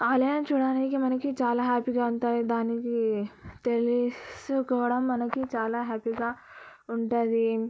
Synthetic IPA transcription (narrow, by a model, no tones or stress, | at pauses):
aːlɐjnɐt͡ʃuːɽaːnikimɐnɐkit͡ʃaːlaːɦaːpiɡaːuɳʈaːjid̪aːnikit̪elisukɔːɽɐmːɐnɐkit͡ʃaːlaːɦaːpiɡaː | uɳʈund̪i